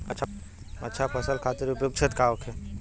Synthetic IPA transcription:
ɐtːʃʰa | ɐ̰tːʃʰapʰəsəlkʰaːt̪iɾʊpjoːɡ̚t͡ʃʰet̪kaokʰe

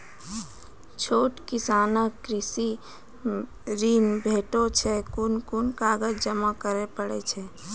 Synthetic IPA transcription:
t͡ʃʰoːʈkɪsaːnəkːɾɪsi | ɾinbʱeːʈot͡ʃʰɛkʊnkunkaːɡəd͡ʒd͡ʒəmakəɾepəɽḛt͡ʃʰɛ

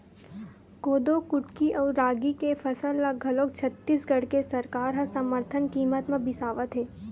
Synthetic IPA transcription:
koːd̪okʊʈkiʔɔːɾaːɡikefʰɐsəlːaɡʱɐloːkt͡ʃʰət̪ːiːsɡɐɽkesɐɾkaːɾɦɐ̃səməɾt̪ʰənkiːmət̪mẽbɪsaːʋət̪ɦeː

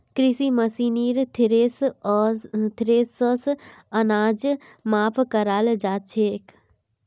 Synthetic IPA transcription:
kɾisiməsiniɾt̪ʰiɾeːs | t̪ʰɾeːsəsənaːd͡ʒ | maːpʰkəɾaːld͡ʒaːt͡ʃʰeːk

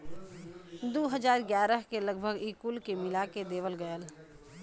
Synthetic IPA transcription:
d̪oːɦəd͡ʒaːɾɡjaːɾəɦkeləɡbʱəɡiːkulkemɪlaked̪eːʋəlɡəjəl

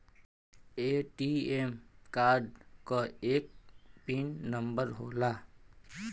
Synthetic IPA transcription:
eːʈiemkaːɾɖkaeːk̚piːnːə̃mbəɾɦoːlaː

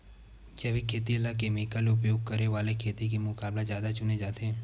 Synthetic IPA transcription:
d͡ʒɐʋikʰeːt̪iəlakemeːkəlʊp̬joːɡ̚kəɾeʋaːlekʰeːt̪ikimʊkaːblazjaːd̪at͡ʃʊned͡ʒaːt̪eɛ

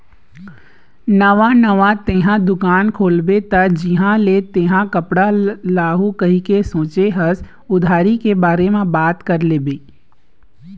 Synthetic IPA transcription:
nɐʋanəʋat̪ẽːɦãd̪ʊkaːnkʰoːlbet̪ɐd͡ʒɪɦãlet̪ẽːɦãkɐpɽalaːɦukɐɦikesõːt͡ʃeɦɐs | ʊd̪ʱaːɾikebaːɾemẽbaːt̪kɐɾleːbeː

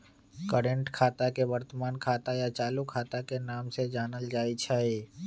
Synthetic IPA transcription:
kəɾə̃ɳʈkʰaːt̪akeʋəɾt̪əmaːnkʰaːt̪ajat͡ʃaːlukʰaːt̪akenaːmsed͡ʒaːnəld͡ʒaːit͡ʃʰaːi

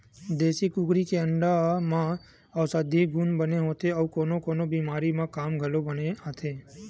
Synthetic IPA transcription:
d̪esikuɡɾikeəɳɖamã | əʋsad̪ʱiɡʱunbəneɦõt̪ʰeəʋkonokonobimaɾimãkamɡʱəlobəneɦãt̪ʰe

